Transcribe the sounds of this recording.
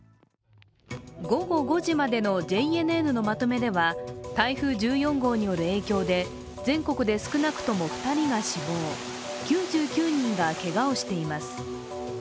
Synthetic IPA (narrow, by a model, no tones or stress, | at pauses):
ɡo̞ɡo̞ɡo̞ʑimad̪e̞no̞d͡ʑe̞ie̞nɯe̞nɯ̟no̞mat̪o̞me̞d̪e̞βat̪aiɸɯ̟ːʑɨːjõ̞ŋɡo̞ːɲ̟ijo̞ɾɯ̟e̞ːkʲo̞ːd̪e̞ | d͡zẽ̞ŋko̞kɯ̟d̪e̞sɨ̥kɯ̟nakɯ̟̥t̪o̞mo̞ɸɯ̥t̪aɾʲiɡaɕibo̞ː | kʲɨːʑɨːkʲɨːɲ̟ĩŋɡake̞ɡao̞ɕi̥t̪e̞imasɨ̥